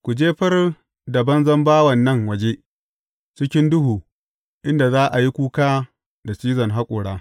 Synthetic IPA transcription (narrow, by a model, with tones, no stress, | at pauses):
kʷu˨d͡ʒeː˦ɸɐ˦r | dɐ˨bɐ˦nzɐ˦mbaː˦wɐ˨nːɐ˦ŋwɐ˨d͡ʒeː˦ʔ | t͡ʃɪ˦kʲɪ˦ndʊ˦ɦuː˨ | ʔɪ˦nda˨zaː˦ʔa˨ji˦kʷuː˦kaː˦ | da˨t͡ʃiː˦zɐ˨ŋɦa˦kʷʼʊː˨ɽaː˦